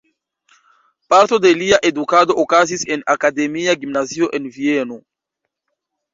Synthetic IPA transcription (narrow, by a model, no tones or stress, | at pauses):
paɾto̞deliaʔe̞dukado̞ʔokazise̞nakade̞miaɡimnazio̞ʔe̞nvieno